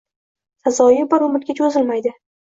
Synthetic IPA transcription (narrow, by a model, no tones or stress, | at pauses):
sazɒjɪbaɾomɪt̪kʲat͡ʃʰozɪlmajd̪ɪ